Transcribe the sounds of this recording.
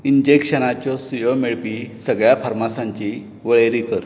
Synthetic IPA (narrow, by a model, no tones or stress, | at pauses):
iɲd͡ʑekɕənat͡ɕɔsujomeɭpisəɡɭjafaɾmasaɲt͡ɕi | ʋəɭeɾikəɾ